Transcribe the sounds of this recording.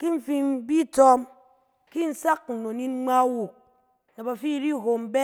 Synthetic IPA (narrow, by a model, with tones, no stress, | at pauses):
ki˦ɱ̩˨fi˦m˦bi˦tɔ˦m | ki˦n̩˦sa˦k̚n̩˨no˨ni˦n˦ŋ͡ma˦wu˨k̚ | na˨ba˨fi˦ɾi˦˨ɦo˨m̩˨be˦